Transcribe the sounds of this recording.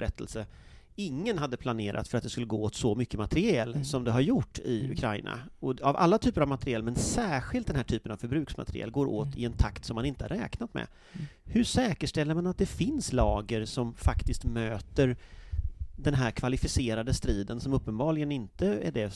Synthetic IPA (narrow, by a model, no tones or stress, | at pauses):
ɾɛt̪ʰːə̰lsə | ɪŋːənɦad̪ːəpʰlaneːɾʔa̰t̪fœɾat̪d̪ɛskɵlːəɡoːoːt̪sɔmʏkːəmat̪əɾɪɛlsɔmd̪ɛɦaɾjʊʈːɪɵ̰kʰɾaɪnʔa̰ɔava̰lːat̪ʰyːpəɾavmat̪əɾɪɛlmɛnsæːɾɧɪlt̪̚d̪ɛnɦæːʈʰyːpənav̥fœɾbɾʉ̟ːksma̰t̪ɾɪʔɛ̰lːɡoːɾʔo̰ːt̪ɪɛnt̪ʰakt̪sɔmːanɪnt̪əha̰ɾɛ̰ːknat̪mɛ̰ | hɵʂɛːkəʂʈɛlːəɾmanat̪̚d̪ɛfɪnslɑːɡəɾʂɔmfakt̪ɪst̪møːt̪əɾ | d̪ɛnɦæɾkʰvalɪfɪseːɾad̪əst̪ɾiːd̪ənsɔmɵpːənbɑːɡlɪɡənɪnt̪əæ̰ɖɛ